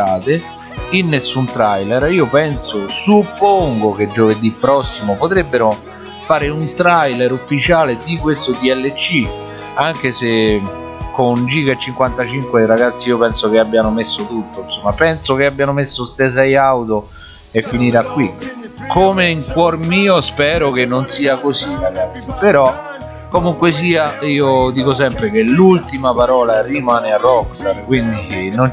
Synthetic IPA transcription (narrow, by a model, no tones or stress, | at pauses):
aːt̪ɪ | inːesːunt̪ɾajlɛɾiːopɛnsosupːoŋɡoked͡ʒːoved̪ipːɾɔsːimopot̪ɾɛbːeɾo | faːɾɪunt̪ɾajlɛɾufːit͡ʃaːled̪ikwest̪od̪iɛlːet͡ʃːi | aŋk̟ese | kʊnd͡ʒiːkaet͡ʃːiŋkwant̪at͡ʃiŋkweɾaɡat̪sːiiːopɛnsokeabːjanʊmesːot̪ut̪ːoinsomːapɛnsokeabːjanʊmesːoses̬ɛjawt̪o | efːiniɾakːwikʰomeiŋkwɔrmiːospɛːɾok̟enːonsiːakosiraɡat̪sːipeɾɔ | kːomuŋkwes̬iːaiːod̪iːkos̬ɛmpɾek̟elult̪imapaɾɔːlarimaːnearːɔksarkwind̪inon